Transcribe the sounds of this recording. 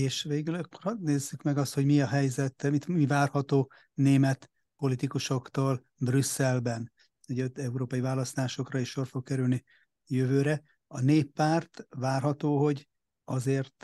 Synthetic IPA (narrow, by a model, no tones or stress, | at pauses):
eːʃveːɡylkːorneːzːykmɛɡɒst̪ho̞ɟmiɒɦɛjzɛt̪ːmit̪mivaːrhɒt̪oː | neːmɛt̪ | po̞lit̪ikuʃo̞kt̪ol | brysːɛlbɛn | uɟɛt̪ːɛuɾoːpɒivaːlɒsnaːʃo̞krɒiʃːo̞rfo̞kkːɛɾylni | jøvøːɾɛ | ɒneːpːaːrt̪vaːrɦɒt̪oːɦo̞ɟ | ɒzeːrt̪